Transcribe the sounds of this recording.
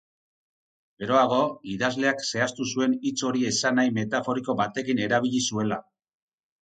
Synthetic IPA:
ɡe̞ɾo̞aɣo̞iðazle̞akse̞ast̪usue̞nit͡so̞ɾie̞sanajme̞t̪afo̞ɾiko̞βat̪e̞kine̞ɾaβ̞iʎisue̞la

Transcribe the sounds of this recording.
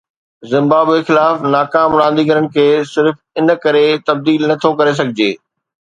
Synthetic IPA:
zɪ̃mbaːbexɪlaːfnaːkaːmɽãːnd̪iɡɐɾənɪ̆kʰeːsɪɾf | ɪn̆kɐɾet̪ɐb̚d̪iːlnɐt̪ʰokɐɾes̬ɐɡʱɪd͡ʑeː

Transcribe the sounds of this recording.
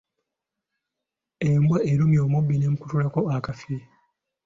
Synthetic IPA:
embwaʔeɾumjo̞ːmubːinemuku̥tulako̞akafi

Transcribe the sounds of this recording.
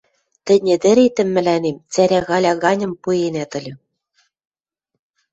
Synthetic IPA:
t̪ɘ̆nʲɘ̆d̪ɘ̆ɾet̪ɘ̆mːɘ̆lænemt͡sæɾʲæɣɑlʲɑɣɑnʲɤ̆mpujenæt̪ɤ̆lʲɤ̆

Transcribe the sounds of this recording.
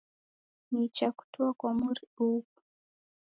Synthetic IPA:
nit͡ʃaku̥tuakwamuɾiupu

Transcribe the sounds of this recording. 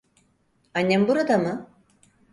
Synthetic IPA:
anʲːembuɾad̪amɯ

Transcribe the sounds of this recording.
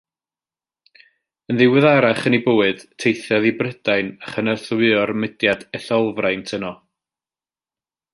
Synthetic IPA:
ənðɪwɨðaɾaχənibʊːɨd̥tʰejθjaðibrəd̥ajnaχənərθwɨɔrmɪdjadɛɬɔlˠvrajntʰənɔ

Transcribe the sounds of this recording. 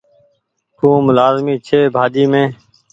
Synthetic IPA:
t̪ũːmʊlaːzmiːt͡ʃʰeːbʱaːd͡ʒiːmẽː

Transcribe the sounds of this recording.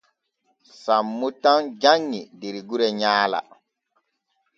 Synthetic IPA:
samːutãŋd͡ʒaɲːideɾiɡuɾɛɲaːla̰

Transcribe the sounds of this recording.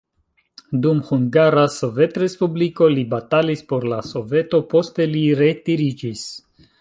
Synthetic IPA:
dumhuŋɡaɾaso̞ve̞tɾe̞spubliko̞libatalispo̞ɾlaso̞ve̞to̞po̞ste̞liɾe̞tiɾid͡ʒis

